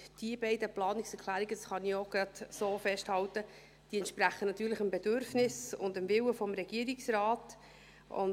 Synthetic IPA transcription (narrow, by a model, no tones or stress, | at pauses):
d̥iəbɛɪdəplɑːnɪksɛɾkʰlæːɾiɡəsχɑnioɡ̥ɾɑt̪soːfɛʃthɑltə | d̥iːɛntʃpɾæχənɑt̪ːyːɾləχəmbɛd̥øɾfnɪsʊ̰ndəmvɪwəfɔmɾɛɡ̥iːəɾiksɾɑːt | ʊ̰n